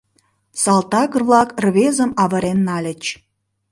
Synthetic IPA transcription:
sɑlˠt̪ɑɣərβlɑkrβezə̆mɑβə̆ɾenːɑlʲət͡ɕ

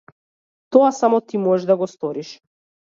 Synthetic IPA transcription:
t̪ɔasamɔt̪imɔɛʒd̪aɡɔst̪ɔɾiʃ

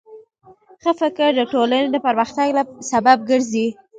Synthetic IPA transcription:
xəfɪkəɾd̪əʈolaned̪əpəɾməxt̪aɡlasabab̚ɡəɾzi

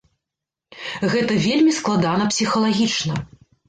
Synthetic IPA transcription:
ɣɛt̪ɐvʲelʲmʲisklˠad̪anɐpsʲixɐlˠaɣʲit͡ʂnɐ

